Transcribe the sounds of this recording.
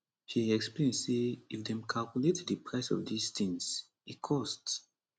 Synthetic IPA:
hiɛksplẽnseifdɛ̃mkʰalkuletdɨpʰɹaɪsɔ̰vdistĩŋs | ikʰɔsts

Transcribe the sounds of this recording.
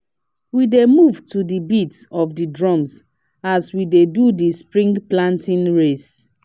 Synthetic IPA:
widemuvtʰudibitsɔfdidɹɔ̃ms | aswidedudispɹĩŋɡplãntĩnɹes

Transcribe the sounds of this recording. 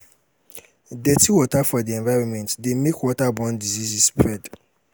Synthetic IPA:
dɛtʰiwɔtʰafɔdiɛ̃nvaɪɹɔ̃nmɛ̃ntdemekʰwɔtabɔ̃ndizisisspʰɹɛd

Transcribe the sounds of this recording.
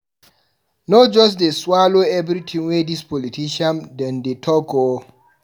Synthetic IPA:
nɔd͡ʒɔs̬deswaloɛbɾitʰĩŋwedispɔlitʰiʃãmdɛ̃ndetʰɔɡo

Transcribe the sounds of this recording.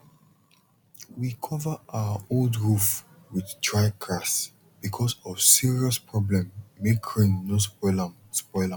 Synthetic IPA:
wikʰɔvəʔawəoldɹuf | wiðtʰɹaɪɡʰɹas | b̥ikʰɔsɔv̥siɹiɔspʰɹɔblɛ̃mːekʰɹĩnːospɔɪla | spɔɪla

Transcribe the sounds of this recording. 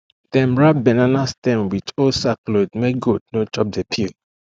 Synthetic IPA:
tɛ̃mɹabɛnanastɛ̃mwitosaklodmeɡod̚not͡ʃɔp̚depʰil

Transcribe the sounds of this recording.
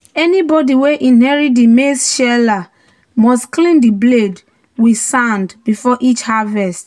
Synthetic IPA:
ɛnibɔdiweʔĩnhɛɹidimesʃɛla | mɔstklĩndibled | wisãndbifɔʔit͡ʃhavɛst

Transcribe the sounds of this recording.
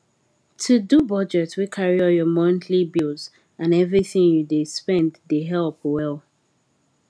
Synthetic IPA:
tʰudubɔd͡ʒɛtswikʰaɹiɔjɔmɔ̃ntʰlibilˠz | ãnɛvɹiθĩŋjudespɛ̃nddeɦɛlˠpwɛlˠ

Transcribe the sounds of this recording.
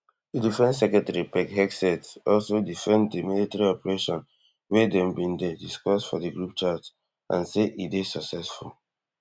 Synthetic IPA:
didifɛ̃nsɛkɛtɛɹipɛkhɛksɛtɔlsodifɛ̃nddimilitɛɹiɔpəɹeʃɔ̃n | wɛdɛ̃mbĩndɛdiskɔsfɔdəɡɹup̚t͡ʃas | ʔã̰nseʔidesaksɛsful

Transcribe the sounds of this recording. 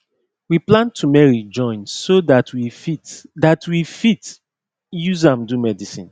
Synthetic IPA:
wiplãntʰumɛɹid͡ʒɔ̃ɪ̃nsodatʰwifidatwifit | juzãmdumɛdisḭ̃n

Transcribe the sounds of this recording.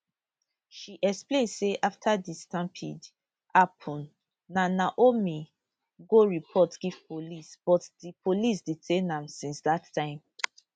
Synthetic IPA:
ʃiʔɛksplẽndseʔaftʰadistãmpʰḭd | ʔapʰɔ̃nː | anaʔomi | ɡoɹipʰɔtɡ̥iv̥polisb̥ɔtdipʰolis̬ditʰenãmsĩnsdatʰːãɪ̃m

